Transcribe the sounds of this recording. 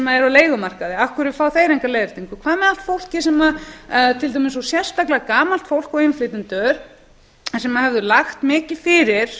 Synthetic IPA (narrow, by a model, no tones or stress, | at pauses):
ɛmaðɛɾawleːjɣʏmar̥kaðɪafkʏɾɪfaːwθejɾejŋkalejðɪɾ̥t̪iŋkʏkʰvaːðmɛðal̥t̪fowl̥cɪsɛmat̪ʰɪlt̪̬ajmɪnsɔsjɛr̥st̪aklɪaakaːmal̥t̪fowl̥kɔɣɪnflɪt̪ɪnt̪œɾ | nsɛmahɛvðʏlaxt̪mɪːcɪðfɪːɾɪɾ̥